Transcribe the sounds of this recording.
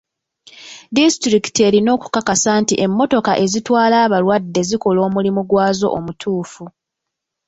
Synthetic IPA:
distɾiki̥te̞ːɾino̞ːku̥kakasaːntiʔe̞mːo̞to̞kaʔe̞zitwaːlaːβalwadːe̞ziko̞lo̞ːmulimuɡwaːzo̞̰ʔomutʰuːfu

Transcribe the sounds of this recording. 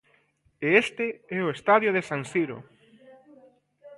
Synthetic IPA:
eest̪eɛoest̪aðjoð̞esansiɾo̰

